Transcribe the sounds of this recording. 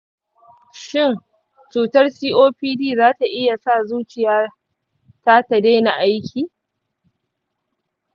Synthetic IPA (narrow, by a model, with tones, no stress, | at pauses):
ʃɪ˦˨n | t͡ʃuː˨tɐ˦rsiː˦ʔoː˦ɸiː˦diː˦˨zaː˦ta˨ʔɪ˦ja˨sa˦˨zuː˦t͡ʃɪ˨jaː˦ | ta˦ta˨de˦na˨ʔa˦jkʲʰiː˨